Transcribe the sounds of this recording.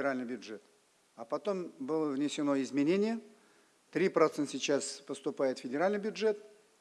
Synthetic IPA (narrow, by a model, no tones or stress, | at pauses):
ɪɾalʲnɨjbʲjʊʐɛt̪ | apɐt̪o̞mbɨlˠəvnʲɪsʲɪnoɪzmʲɪnʲenʲɪjə | t̪ɾʲipɾɐt̪sɛnsʲɪt͡ɕːaspəst̪ʊpajɪt̪fʲɪdʲɪɾalʲnɨjbʲjʊdʐɛt̪̚